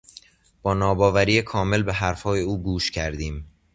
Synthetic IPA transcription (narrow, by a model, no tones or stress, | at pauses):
b̥ɒːnɒːbɒːvæɾiːjekʰɒːme̞lbeɦæɾfhɒːjeuːɡuːʃcʰæɾd̪iːm